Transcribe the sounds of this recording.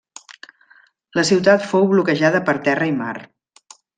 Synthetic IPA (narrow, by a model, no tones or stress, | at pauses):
ləsiwt̪at̪fowβlukəʒaðəpəɾt̪ɛrəima̰r